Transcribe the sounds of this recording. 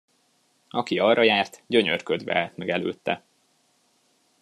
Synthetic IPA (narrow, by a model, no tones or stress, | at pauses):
ɒkiɒrːɒjaːrt̪ɟø̞ɲø̰rkød̪ʋɛ̰at̪mɛɡɛlø̰ːt̪ːɛ̰